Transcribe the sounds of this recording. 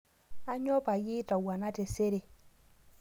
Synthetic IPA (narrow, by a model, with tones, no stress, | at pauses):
a˦ɲɔ˦pa˨ji˦ta˨wa˨na˦te˨se˦ɾe˨